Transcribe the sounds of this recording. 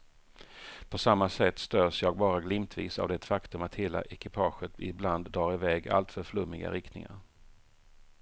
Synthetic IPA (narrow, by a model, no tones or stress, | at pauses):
pʰɔsamːasɛt̪ːst̪øːʂjɑːɡ̚bɑːɾaɡlɪmt̪ʰvḭːsa̰vd̪ɛt̪fakt̪ɵmat̪heːla̰ʔɛkɪpʰɑːɧət̪ɪbland̪ːɾɑːɾɪvɛːɡa̰lt̪fœɾfɭɵmːɪɡa̰ɾɪkt̪nɪ̰ŋa̰ɾ